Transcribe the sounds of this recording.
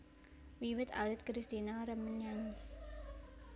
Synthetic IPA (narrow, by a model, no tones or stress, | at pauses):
wiwɪt̪a̰lɪt̪̚kɾist̪inaɾəmənjaŋi